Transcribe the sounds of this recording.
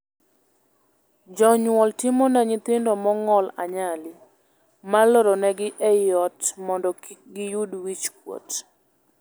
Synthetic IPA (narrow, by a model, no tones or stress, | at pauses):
d͡ʒɔɲwɔltɪmɔnaɲɪt̪ɪndɔmɔŋɔla̰ɲalɪ | malɔɾɔnɛɡɪʔɛjɔtmɔndɔɡɪjudwit͡ʃkwo̰t